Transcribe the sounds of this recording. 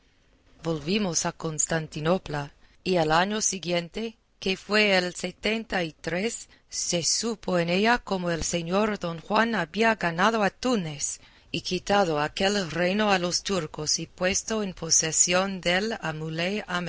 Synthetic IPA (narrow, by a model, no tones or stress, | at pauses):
bolβimosakonst̪ant̪inoplaialaɲosiɡjent̪e | kefweːlset̪ent̪ait̪ɾesː | esupoeneʎakomoelse̞ɲoɾd̪onxwanaβiaɡanað̞oat̪unes | ikit̪aðoakelrejnoalost̪uɾkosipwe̞st̪oenpʰosesjond̪elamuleam